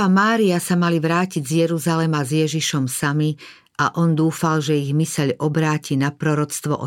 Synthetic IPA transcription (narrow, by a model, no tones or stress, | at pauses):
amaːɾiasamaliʋɾaːciɟzjɛɾuzalɛmazjɛʒiʃɔmsami | aʔɔnd̪uːfalʒɛiɣmisɛʎʔɔbɾaːcinapɾɔɾɔt͡st̪ʋɔ̰ʔɔ